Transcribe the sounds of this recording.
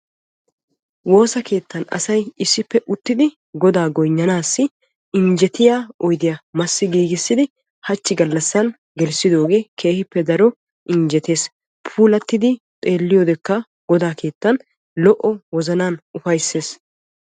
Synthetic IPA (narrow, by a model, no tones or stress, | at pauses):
wo̞ːsɐke̞ːt̪ːɐnɐ̰sɐjɪsːɪpːɛʔʊt̪ːɪd̪ɪ | ɡɔd̪aːɡɔjɲːɐnaːsːɪ | ɪɲd͡ʒɛt̪ɪjaːɔjd̪ɪjɐmɐsːɪɡiːɡɪsːɪd̪ɪ | hɐt͡ʃːɪɡɐlːɐsːɐn | ɡɛlsɪd̪o̞ːɡe̞ːkʰe̞ːhɪpːɛd̪ɐɾɔ | ʔɪɲd͡ʒɛt̪e̞ːs | pʰuːlɐt̪ːɪd̪ɪt̪ʼe̞ːlːɪjoːd̪ɛkːɐ | ɡ̥ɔd̪aːke̞ːt̪ːɐn | lɔʔɔwɔzɐnaːnʔʊfɐjsːe̞ːs